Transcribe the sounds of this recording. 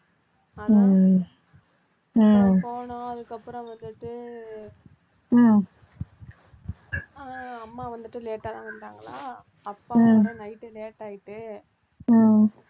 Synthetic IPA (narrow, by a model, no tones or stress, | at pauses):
poːnõɐðɯkːɐpːɯɾɔ̃ʋɐnd̪ɯʈːɯ | aɐmːaːʋɐnd̪ɯʈːɯleːʈːat̪ãːʋɐnɖaːŋɡɐlaː | ɐpːãnɐɪʈːɯleːʈːaːjɪʈːɯ